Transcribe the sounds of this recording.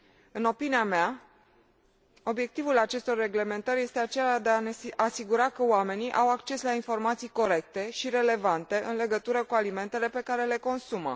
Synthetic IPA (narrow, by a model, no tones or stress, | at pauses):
ɨno̞piniamea | o̞bje̞k̚t̪ivulat͡ʃe̞st̪o̞rːe̞ɡle̞me̞nt̪əɾje̞st̪eat͡ʃe̞lad̪eaneasiɡuɾakəoame̞niʔawakt͡ʃe̞slainfo̞rmat̪sijko̞ɾe̞k̚t̪e̞ʃiɾe̞le̞vant̪e̞ʔɨnle̞ɡət̪uɾəkualime̞nt̪e̞le̞pe̞kaɾe̞le̞ko̞nsumə̰